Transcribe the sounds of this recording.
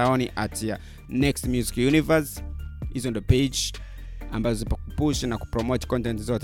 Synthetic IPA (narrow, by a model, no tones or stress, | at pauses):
aɔniʔatʰia | nɛkstmjuzi̥kjunivashizɔndɔped͡ʒ | ambazɔzipakupuʃinaku̥pɾɔmɔtkɔ̃ntɛntzɔt